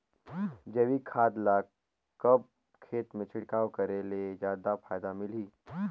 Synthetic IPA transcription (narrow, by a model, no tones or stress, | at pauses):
d͡ʒɐʋikʰaːd̪la | kɐb̚ | kʰeːt̪mẽt͡ʃʰɪɽkaːokɐɾeled͡ʒjaːd̪apʰaːjd̪amɪliː